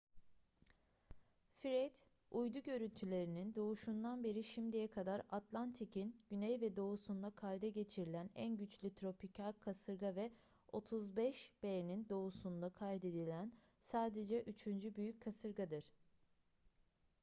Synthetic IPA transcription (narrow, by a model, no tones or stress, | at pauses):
fiɾɛt̪ | ujd̪uɟø̞ɾynt̪ʰylʲe̞ɾinind̪o̞uʃund̪anbe̞ɾiʃimd̪ijɛkʰad̪aɾat̪lˠant̪ʰicʰinɟ̥ynɛjvɛd̪o̞usund̪akʰajd̪ɛɟe̞t͡ʃʰiɾilʲænænɟyt͡ʃlʲyt̪ʰɾo̞pʰicʰalkʰasɯɾɡavɛ | o̞t̪ʰuzbɛʃb̥eɾnind̪o̞usund̪akʰajd̪e̞d̪ilʲæn | saːd̪ed͡ʒɛʔyt͡ʃʰynd͡ʒybyjyc̚kʰːasɯɾɡad̪ɯɾ̥